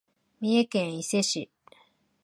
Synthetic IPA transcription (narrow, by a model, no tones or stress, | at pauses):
mʲiekẽɰ̃ise̞ɕi